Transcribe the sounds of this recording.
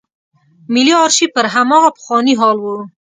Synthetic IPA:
mɪliɑɾʃipəɾɦamɑɣapə̥xwɑniɦɑlwu

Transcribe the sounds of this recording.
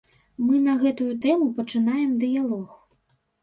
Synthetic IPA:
mɨn̪ɐɣɛt̪ujut̪ɛmupɐt͡ʂɨn̪ajɛmd̪ɨjalˠɔx

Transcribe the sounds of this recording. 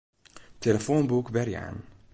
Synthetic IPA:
teləfonbukʋɛrja̰ːn

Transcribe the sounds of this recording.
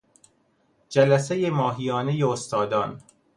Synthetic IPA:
d͡ʒælæsejemɒːɦijɒːnejeost̪ʰɒːd̪ɒːn

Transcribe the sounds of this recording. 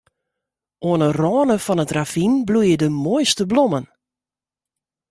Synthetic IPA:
ʔoənərɔːnəfɔnətrav̥inblujədəmojstəblomən

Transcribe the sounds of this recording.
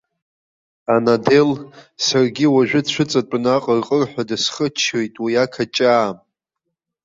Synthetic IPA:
anade̞lsarɡʲiwaʒᶣʊt͡ɕʷʰʊt͡sʼat͡pʼnaqʼərqʼərħʷadɨsχət͡ʃʰejtʼwiakʰat͡ʃʼaːm

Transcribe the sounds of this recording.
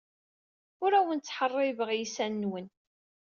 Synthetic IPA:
ʊɾæwənt͡sːħərˤːɪvəʁjisænːwən

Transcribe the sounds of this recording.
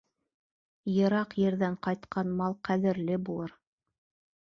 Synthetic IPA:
jɤ̆ɾɑqjɘ̆ɾðæɴqɑjt̪qʰɑnmɑlˠqæðɘ̆ɾlɘbulˠɤɾ

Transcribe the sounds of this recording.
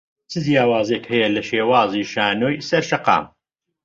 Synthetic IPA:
t͡sʰɨzjaːwaːzeːkhɛjɐlɐʃeːwaːziːʃaːnoːjsɐɾʃɐqɑ̰ːm

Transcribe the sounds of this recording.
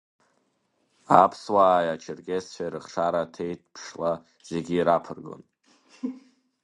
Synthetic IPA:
apʰswaːjat͡ʃʰɪrɡʲesħʷᶣaɾɨχʂaɾatʰe̞jt̚ʰpʰʂla | z̥e̞ɡʲiːɾapʰɨrɡo̰n

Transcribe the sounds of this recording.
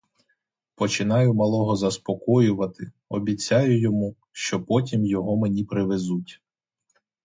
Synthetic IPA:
pɔt͡ʃɪnɑjʊmɐlˠɔɦɔzɐspɔkɔjʊʋɐt̪ɪ | ɔbʲit͡sʲːɑjʊjɔmu | ʃt͡ʃɔpɔtʲimjɔɦɔmenʲipɾɪʋezutʲ

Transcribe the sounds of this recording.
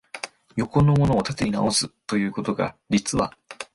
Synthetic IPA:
jo̞ko̞nomo̞no̞ːt̪at̪eina̰o̞sɨt̪ːo̞jɯ̟ːko̞t̪o̞ɡa̰ɾʲit͡sɨβa

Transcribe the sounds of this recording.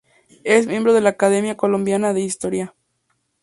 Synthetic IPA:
esmje̞mbɾoð̞e̞laːkað̞e̞mjakolombjanaðe̞ist̪oɾja

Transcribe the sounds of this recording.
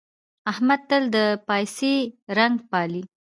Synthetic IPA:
ahmad̪̚t̪əld̪əpajseɾaŋɡpɑli

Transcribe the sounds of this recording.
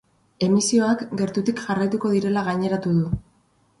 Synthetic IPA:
e̞misio̞akɡe̞ɾt̪ut̪ikʝarajt̪uko̞ðiɾe̞laɣaɲe̞ɾat̪uðu

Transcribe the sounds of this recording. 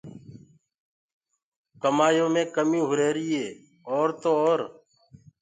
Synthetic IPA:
kəmaːjõːmẽːkəmĩːɦʊɾeːɾɪːeː | oːɾt̪oːoːɾ

